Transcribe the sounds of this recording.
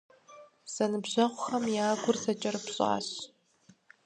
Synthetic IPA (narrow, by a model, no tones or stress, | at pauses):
z̥ɐnɨbʑɐʁʷʊxɐmjaːɡʷʊrsɐt͡ʃʼɐrɨpɕʼa̰ːɕ